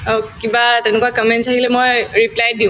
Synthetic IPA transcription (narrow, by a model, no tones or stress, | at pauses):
kibatɛnɛkuwakɔmɛntsaɦilɛmojɹiplajdiʊ̃